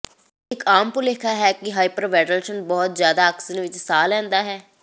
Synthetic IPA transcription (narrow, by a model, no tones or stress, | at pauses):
ɪkaːmpʊlekʰaːɦɛːkɪɦaːipəɾʋɛːʈəlʃənbɔːt̪zjaːd̪aːksənʋɪt͡ʃsaːlɛ̃ːnd̪aːɦɛː